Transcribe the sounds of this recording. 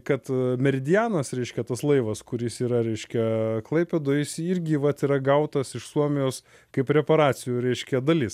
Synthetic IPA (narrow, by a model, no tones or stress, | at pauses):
kɐt̪mʲɛɾʲɪd̪ʲɪjæːnɐsɾʲɛɪʃʲkʲɛt̪ɐslˠɐɪʋɐskʊɾʲɪsiːɾɐɾʲɛɪʃʲkʲɛklˠɐɪpʲed̪oːjɪsɪɾʲɡʲɪʋɐt̪iːɾɐɡɐʊt̪ɐsɪʃsuɔmʲɪjoːs | kɐɪpɾʲɛpɐɾɑːt͡s̪ʲɪjuːɾʲɛɪʃʲkʲɛd̪ɐlʲɪs